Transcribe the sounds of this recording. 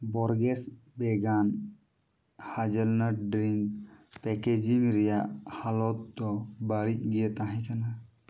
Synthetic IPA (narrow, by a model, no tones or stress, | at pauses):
bɔɾɡɛsbɛɡan | had͡ʒɛlnaɖɾiŋkpɛked͡ʒiŋɾɛjaʔhalɔt̪̚d̪ɔbaɽic̚ɡɛjɛt̪aɦɛ̃kana